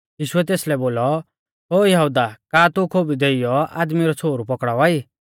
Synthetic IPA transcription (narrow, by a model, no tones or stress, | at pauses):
jiːʃuɛt̪eːslɛboːlɔ | ɦoːjɐɦud̪akaːt̪ukʰoːbid̪eijɔa̰ːd̪miɾɔt͡sʰoːɾupɔkɽaɔaːi